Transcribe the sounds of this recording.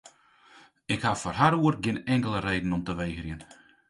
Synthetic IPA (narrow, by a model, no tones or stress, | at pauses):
ɪkhafɔrɦaɾuərɡɪnɛŋkəlˠəreːdn̩ɔmtəʋejɣəriən